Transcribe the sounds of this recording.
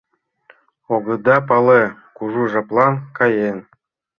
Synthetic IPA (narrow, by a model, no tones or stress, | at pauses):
oɡɤ̆d̪ɑpɑlekuʒuʒɑplˠɑnkɑjen